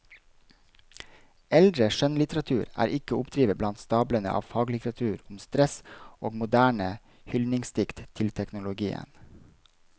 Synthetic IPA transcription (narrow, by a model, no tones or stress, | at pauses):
ɛld̪ɾəʃœnlɪt̪əɾɑt̪ʰʉːɾæ̰ːɾʔɪkəʊpd̪ɾiːʋəblɑnt̪st̪ɑːblənə̰ʔɑ̰ːʋfɑːɡlɪt̪əɾɑt̪ʰʉːɾʊmst̪ɾɛsoːɡmʊd̪æːɳə | hʏlnɪŋst̪ɪkt̪t̪ʰɪlt̪ʰɛknʊlʊɡiːə̰n